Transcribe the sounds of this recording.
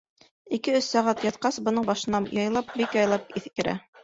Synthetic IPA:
ikɘɵsːæʁæt̪jɑt̪̚qɑsbɤ̆nɤɴbɑʃɤ̆nɑjɑjlˠɑp̚bikjɑjlˠɑp̚iθkɘ̆ɾæ̰

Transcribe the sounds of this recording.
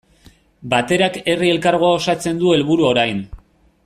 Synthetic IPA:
bat̪e̞ɾake̞rie̞lkaɾɣ̞oao̞sat͡se̞nd̪ue̞lβuɾuo̞ɾajn

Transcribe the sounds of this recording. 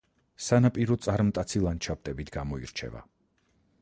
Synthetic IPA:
sanapʼiɾɔt̪sʼaɾmt̪ʼat̪sʰilˠant͡ʃʰap̚t̪ʼɛbit̪ʰɡamɔḭɾt͡ʃʰɛ̰va̰

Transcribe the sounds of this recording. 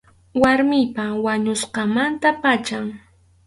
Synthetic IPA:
waɾmɪjpawaɲʊsqɑmant̪apat͡ʃaŋ

